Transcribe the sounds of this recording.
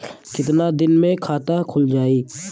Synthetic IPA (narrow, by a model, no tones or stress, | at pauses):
kɪt̪̬nad̪ɪnmẽkʰaːt̪akʰʊld͡ʒaːiː